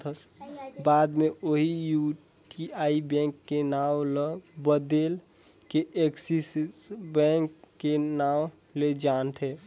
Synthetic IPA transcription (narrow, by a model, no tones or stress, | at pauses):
t̪ʰəs | bad̪meoɦiju | ʈiaibɛ̃ŋkːenawləbəd̪el | keeksisisbɛ̃ŋkːenaw | led͡ʒant̪ʰe